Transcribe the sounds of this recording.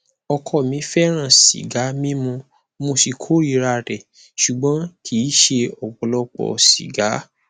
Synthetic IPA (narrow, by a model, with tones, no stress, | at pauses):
ɔ˧kʰɔ˧˨mĩ˨˦fɛ˦ɾ̃ã˦˨sḭ˨ɡa˨˦mĩ˦mũ˧ | mo˧si˧kʰo˦ɾi˦˧˨ɾa˧˨ɾɛ˨ | ʃu˨ɡ͡bɔ̃˨˦kʰi˨˦ʃe˧ɔ˨wɔ˨lɔ˧k͡pɔ̰˧˨sḭ˨ɡa˨˦